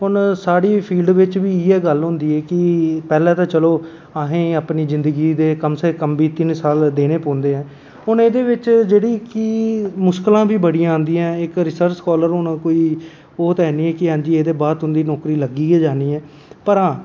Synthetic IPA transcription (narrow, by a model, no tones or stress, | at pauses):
ɦʊnsaːɽiːpʰiːlɖʋɪt͡ʃʋiːiːɛːɡəlɦʊ̃nd̪iːɛːkɪpɛːlɛ̃ːt̪ãːt͡ʃəloː | aːɦẽːaːpniːzɪ̃nd̪əɡiːd̪eːkəmseːkəmbiːt̪ɪnsaːld̪eːɽ̃eːpɔ̃ːnd̪eːɦɛ̃ː | ɦʊneːd̪eːʋɪt͡ʃd͡ʒeːɽiːkiːmʊsklãːbʱiːbəɽiããːnd̪iːɛ̃ːɪkɾɪsəɾt͡ʃskɔːləɾɦʊnkoːiː | oːt̪ɛːniːɛːkɪɦãːɲd͡ʒiːeːd̪eːbaːd̪ɦʊnd̪iːnɔːkɾiːləɡiːɛːd͡ʒaːniːɛː | pəɾãː